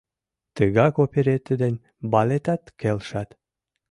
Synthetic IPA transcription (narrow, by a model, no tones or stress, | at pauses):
t̪əɣɑkopʲeɾet̪əd̪enʲ | bɑlet̪ɑt̪kelʃɑt̪